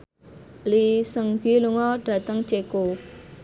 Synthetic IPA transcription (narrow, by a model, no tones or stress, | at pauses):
lisəŋɡiluŋɔɖ̥a̤t̪əŋt͡ʃeko